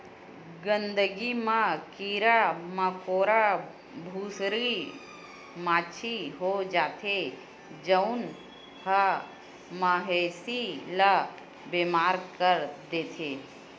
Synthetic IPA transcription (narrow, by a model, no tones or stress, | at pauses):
ɡə̃nd̪əɡimãkiːɾaməkoːɾa | bʱuːsɾi | maːt͡ʃʰiɦod͡ʒaːt̪ʰe | d͡ʒəʊn | hə | maɦeːsila | beːmaːɾkəɾd̪eːt̪ʰeː